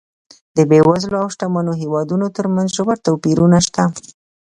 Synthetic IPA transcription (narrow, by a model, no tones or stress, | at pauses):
d̪əbewazloawʃʈamanoɦewɑd̪unot̪əɾmanzʒəwaɾt̪awpiɾunaʃt̪a